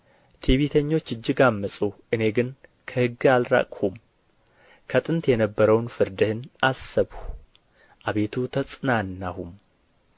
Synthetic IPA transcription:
t̪ʰeβit̪ʰəɲːo̞t͡ʃːɨd͡ʒːɪɡamːəsʼuʔɨne̞ɡɨn | kʰəhɨɡːɨalɾa̰kʼhum | kʰət̪ʼɨnt̪jɛnəbːəɾəwnfɨɾd̪ɨhɨnʔasəβhu | ʔaβe̞t̪ʰut̪ʰəsʼɨnanːahum

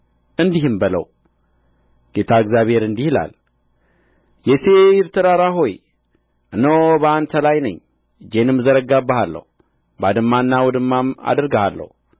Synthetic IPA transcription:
ʔɨnd̪ihɨmbələ̰w | ɡ̥et̪ʰaɨɡzjaβhe̞ɾɨnd̪ihla̰l | jɛsejɪɾt̪ʰɨɾaɾaɦo̞j | ʔɨnəwbəant̪ʰəlajnə̰ɲː | d͡ʒenɨmːzəɾəɡabːəhalːə̰hu | bad̪ɨmːanːawɔd̪ɨmːama̰d̪əɾɡəhalːə̰hu

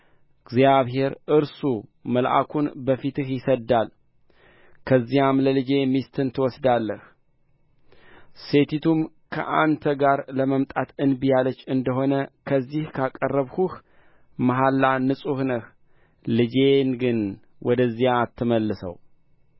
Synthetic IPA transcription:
ɡzijaβɦe̞ɾʔɨɾsuməlʔa̰kʰunbəfit̪ɨhjɪsəd̪al | kʰəzːijamləlɨd͡ʒe̞mist̪ʰɨnt̪ʰɨwɔsd̪alːəh | se̞t̪ʰit̪ʰum | kʰə̰ʔant̪ʰəɡaɾləməmt̪ʼat̪ɨnbijalət͡ʃːɨnd̪əɦo̞nəkʰəzːihkʰakʼərːəβhuh | maɦalːanɨsʼuhnɨh | lɨd͡ʒe̞nɡɨn | wʔɔd̪əzːijaːt̪ʰːɨməlːɨsə̰w

